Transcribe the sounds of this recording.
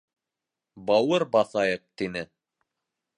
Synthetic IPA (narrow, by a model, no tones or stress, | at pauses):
bɑwɤɾbɑθɑjɤq̚t̪inɘ